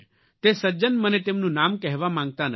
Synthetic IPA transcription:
t̪esəd͡ʒənmənet̪emnũnamkɛɦʋamãŋɡ̚t̪anə

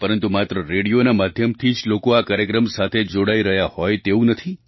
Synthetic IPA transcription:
pəɾənt̪umat̪ɾəɾeɽijonamad̪ʱjəmt̪ʰid͡ʒlokoakaɾjəkɾəmsat̪ʰed͡ʒoɽaiɾəɦjahɔjt̪eũnət̪ʰi

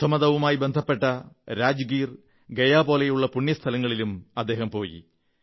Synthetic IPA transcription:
t̪ʰːɐmɐðɐʋumaːjibe̞nd̪ʱɐpːe̞ʈːɐɾaːd͡ʑuɡiːr | ɡejaːbo̞ːlejuɭːɐpuɳjɐst̪ʰɐlɐŋːɐɭilumɐd̪ːeːɦɐmpo̞ːjḭ

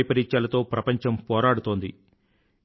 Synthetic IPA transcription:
jpɐɾiɲt͡ʃaːlɐt̪o̞ːpɾɐpɐɲt͡ʃɐmpɔːɾaːɽut̪o̞ːnd̪ḭ

